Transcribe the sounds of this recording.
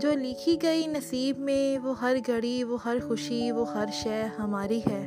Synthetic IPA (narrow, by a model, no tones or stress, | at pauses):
d͡ʒoːlɪkʰiɡɐinɐsiːbmẽʋoːɦɐɾɡɐɽiʋoːɦɐɾxʊʃiʋoːɦɐɾʃɛːɦɐmaːɾiɦɛː